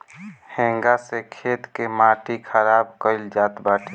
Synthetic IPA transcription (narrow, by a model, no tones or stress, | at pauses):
hẽŋɡasekʰet̪kemaːʈikʰəɾaːbkəɪld͡ʒaːt̪baːʈʰe